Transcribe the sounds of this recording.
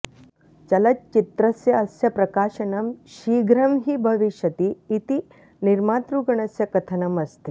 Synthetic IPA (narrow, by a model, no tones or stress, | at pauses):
t͡ʃɐlɐtt͡ʃit̪ɾɐsjɐːsjɐpɾɐkaːʃɐnɐmɕiːɡɾɐmɦiːbʱɐʋiʃjɐt̪iːt̪i | niɾmaːt̪ɾuɡɐɳɐsjɐkɐt̪ʰɐnɐmɐst̪i